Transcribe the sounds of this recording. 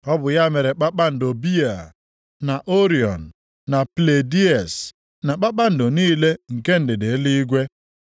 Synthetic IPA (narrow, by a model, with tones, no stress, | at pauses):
ɔ˦bʊ˨ja˦me˨ɾe˨k͡pa˦k͡pa˦n̩˨do˨bi˦a˨ | na˨ʔo˦ɾi˨ɔ̰˨n̩ː˨ | a˨ple˨di˦ɛ˨s | na˨k͡pa˦k͡pa˦n̩˨do˨niː˦le˦ŋ̩˨ke˦n̩˨dɪ˨de˨˦li˦i˦ɡʷe˦